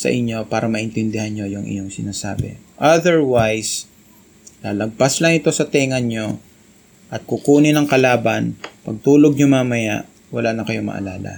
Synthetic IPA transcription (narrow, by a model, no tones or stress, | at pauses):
sɐ̰ʔɪɲjo̞paːɾɐmɐʔɪnt̪ɪnd̪ɪhanɲo̞jʊŋʔɪ̰ɲoŋsɪnaːsa̰ːbɛ̰ | ʔɐd̪ɛɹwajs | laːlɐɡ̚paslɐŋɪt̪o̞sɐt̪ɛːŋɐnɲo̞ | ʔɐt̪̚kʊkuːnɪnɐŋkɐlaːbɐnpɐɡ̚t̪uːlo̞ɡ̚ɲoŋmɐmɐja̰ʔ | wɐlanɐkɐjo̞mɐ̰ʔɐ̰laːlɐ̰